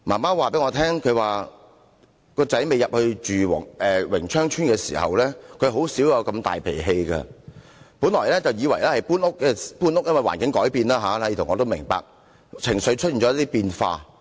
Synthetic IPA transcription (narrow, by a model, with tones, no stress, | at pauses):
maː˨˩maː˥waː˨pe˨˥ŋɔː˧t̪ʰɛː˥ŋkʰɵ˨˧waː˨ | kɔː˧t͡sɐ˨˦˥jme˨jɐ˨p̚hɵ˧ɥt͡ʃyː˨wŋɛ˨wɪ̰˨˩ŋt͡ʃʰœː˥ŋt͡ʃʰyː˥nkɛː˧sḭː˨˩hɐ̰˨wlɛː˥kʰɵ˨˧ɥɦo˨˥wsiː˨˥wjaː˧kɐ˧mt̪a̰ː˨jpʰḛ˨˩ɦe˧jkɐ̰˧ | puː˨˥nlɔː˨˩jlɛ˥t͡sɐ˨wjiː˨˧wɐ˨˩jlɛː˥hɐ˨jpuː˥nʊ˥k̚ːɛ˧puː˥nʊ˥k̚jɐ˥nwɐ˨jwa̰ː˨˩nkɪ˨˥ŋkɔː˨˥jpiː˧nlaː˥ɦaː˨˥la˨˦jiː˨˧t̪ʰŋɔː˨˧t̪o˥wmɪ˨˩ŋpa̰ː˨k̚ | t͡sʰɪ˨˩ŋsɥt͡ʃʰt̚i˨˩nt͡sɔ˨˦jt̪i˥piː˧nfa̰ː˧